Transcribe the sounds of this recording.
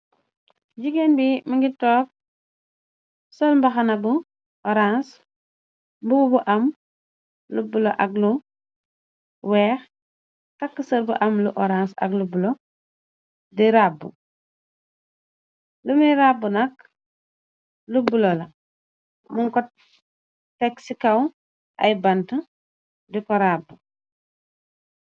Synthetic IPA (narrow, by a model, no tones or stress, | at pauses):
ɟiɡenbimiŋɡitoːk̚ | solmbaxanabu | oɾans | bububuʔɐm | lubuloʔaɡlu | wɛːx | kakːəsɐlbuʔɐmluʔoɾansɐ̰ɡlubulo | diɾabːu | lumiɾabunak | lubulola | muŋkɔt | teksikaw | ʔa̰jbanta | dikɔɾabːu